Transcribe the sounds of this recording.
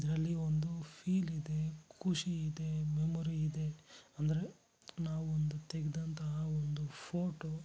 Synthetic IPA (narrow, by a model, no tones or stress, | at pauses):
id̪ɐɾɐlːiond̪upʰiːlid̪e̞kʰuʂiːd̪e̞memoɾiid̪e̞ɐnd̪ɐɾe̞ | naːʋuond̪ut̪eɡɛd̪ɐnt̪ɐɦɐond̪upʰoːʈo